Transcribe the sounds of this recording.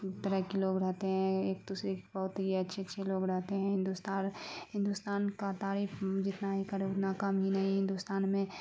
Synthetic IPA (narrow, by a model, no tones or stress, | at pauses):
t̪əɾəɦkeloːɡɾɛɦt̪eɦɛ̃eːk̚d̪uːsɾekbɐɦʊt̪ɦiɐtːʃʰeɐtːʃʰeloːɡɾɛɦt̪eɦɛ̃ɦɪ̃nd̪ust̪aːnɦɪ̃nd̪ust̪aːnkat̪aːɾiːpʰd͡ʒɪt̪naɦikɐɾeʊt̪nakɐmɦinɐɦĩɦɪ̃nd̪ust̪aːnmẽ